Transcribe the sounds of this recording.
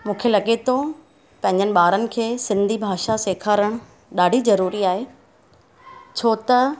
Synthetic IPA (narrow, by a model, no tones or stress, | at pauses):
mũːkʰelɐɠet̪ʰo | pɐ̃ɦɪ̃ɲd͡ʑənɪ̆ɓaːɾənɪ̆kʰeːsɪ̃nd̪ʱibʱaːʃaseːkʰaːɾəɽ̃ | ɗaːɖʱizɐɾuːɾiaːɦe | t͡ɕʰoːt̪ɐ